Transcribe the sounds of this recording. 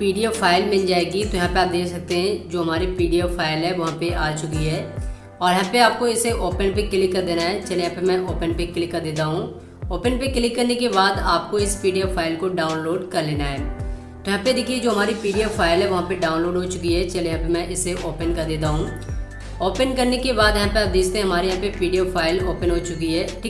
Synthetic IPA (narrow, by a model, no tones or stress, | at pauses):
piːɖijaːpʰaːɪlmɪ̃nd͡ʒaːeːɡit̪ojɐɦãːpeaːp̚d̪eːksək̚t̪eɦɛ̃d͡ʒoːɦɐmaːɾipiːɖijaːpʰaːɪlɦɛʋɐɦãːpeʔaːt͡ʃʊkiɦɛː | ɔːɾjɦãːpeaːp̚koɪseʔoːpənpekɪlɪkːəɾd̪eːnaɦɛt͡ʃəlejãːpemɛ̃ʔoːpənpekɪlɪkːəɾd̪eːt̪̬aːɦũː | oːpənpekɪlɪkːəɾnekebaːd̪aːp̚koɪspiːɖijaːpʰaːɪlkoɖaːʊnloːɖkɐɾleːnaɦɛː | t̪oɦãped̪ɪkʰied͡ʒoːɦɐmaːɾipiːɖijapʰaːɪlɦɛʋɐɦãpeɖaːʊnloːɖɦot͡ʃʊkiɦɛt͡ʃɐlejɦãpemɛ̃ʔɪseʔoːpənkɐɾd̪eːt̪̬aɦũː | oːpənkɐɾnekebaːd̪jɐɦãpeaːp̚d̪eːkt̪ẽɦɐmaːɾejɐɦãpepiːɖijapʰaːɪloːpənɦot͡ʃʊkiɦɛːʈʰiː